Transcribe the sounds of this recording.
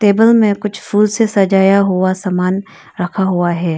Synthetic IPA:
teːbəlmẽkʊt͡ʃʰfʰuːlsesɐd͡ʒaːjaɦuasaːmaːn | ɾɐkʰaɦuaɦɛː

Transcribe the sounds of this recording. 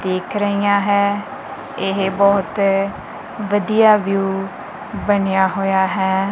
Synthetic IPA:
d̪eːkʰɾəɦiːãːɦɛː | ɪɦbɔːt̪ | ʋəd̪ijaːʋjuː | bənɪjaːɦoːjaːɦɛː

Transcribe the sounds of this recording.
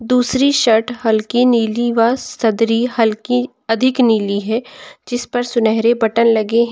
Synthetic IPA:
d̪uːsɾiʃɐʈʰhɐlkiniːliʋasɐd̪ɾiɦɐlki | ɐd̪ʱɪkniːliɦɛːd͡ʒɪspɐɾsʊnɛɦɾebɐʈənlɐɡeɦ

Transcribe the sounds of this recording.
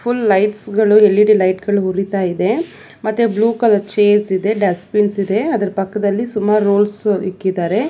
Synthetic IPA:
pʰulːɐjʈsɡɐɭuɦelːiɽilɐjʈɡɐɭuɦuɾit̪aːjid̪e̞ | mɐt̪ːebluːkɐlɐt͡ʃeːsid̪e̞ɖɐspinsid̪e̞ɐd̪ɐɾɐpɐkːɐd̪ɐlːisumːaːɾɾoːlsikːid̪aːɾe̞

